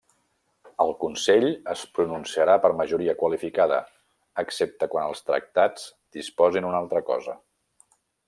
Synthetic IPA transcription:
əlˠkunsɛʎəspɾununsiəɾapərməʒuɾiəkwəlifikaðə̰ː | ksep̚t̪əkwanəlˠst̪ɾə̰k̚t̪ad͡z | d̪̥ispɔzinunalˠt̪ɾəkɔ̰zə

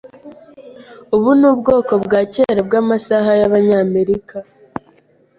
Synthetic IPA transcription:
uβunuːbɡo̞ːko̞bɡaːceɾabɡaːmasaɦajaβaɲaːme̞ɾika

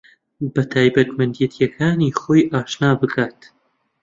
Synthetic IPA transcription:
bɐt̪ʰaːjbɐt̪mɐnd̪jɛt̪ʰjɐkʰaːniːχoːjʔaːʃnaːbɨkʰaːt̪

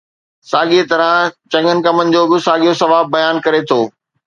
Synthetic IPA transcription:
saːɠiet̪ɐɾə̃t͡ɕɐ̃ŋɡənɪ̆kɐmənɪ̆d͡ʑoːbɪsaːɡijosɐʋaːbːɐjaːnkɐɾet̪ʰoː

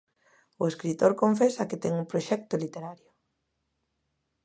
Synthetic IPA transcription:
ʊeskɾit̪oɾkoɱfesɐkɪt̪ɛŋumpɾoʃɛk̚t̪ʊlit̪eɾaɾjʊ

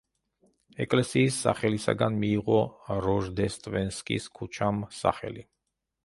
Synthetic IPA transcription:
ɛkʼlɛsiːsːa̰χɛlisa̰ɡanmiːʁɔɾɔʒd̪ɛst̪ʼvɛnskʼḭskʰut͡ʃʰamsa̰χɛ̰li

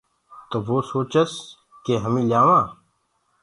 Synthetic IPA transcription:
t̪oʋoːsoːt͡ʃəs | keɦəmĩːljaːʋãː

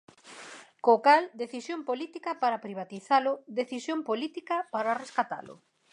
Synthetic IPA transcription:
kokald̪eθisjompolit̪ikɐpaɾapɾiβ̞at̪iθalʊd̪eθisjompolit̪ikɐpaɾareskat̪a̰lʊ̰

